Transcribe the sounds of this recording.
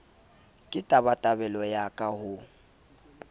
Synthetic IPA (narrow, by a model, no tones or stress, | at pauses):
kʼɪtʼabatʼabɛlɔjakʼahʊ